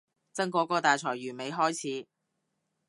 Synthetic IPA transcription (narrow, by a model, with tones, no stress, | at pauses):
t͡sɐ˥ŋkɔː˨˧˥kɔː˧t̪aː˨jt͡sʰɔː˨˩jɥyː˨˩me˨˧jɦɔː˥jt͡sʰiː˨˥